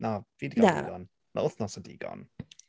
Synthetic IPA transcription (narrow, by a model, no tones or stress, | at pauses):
naviːdiɡaa̰ɡɔn | na̰ʊθnɔsɔdḭːɡ̥ɔ̰n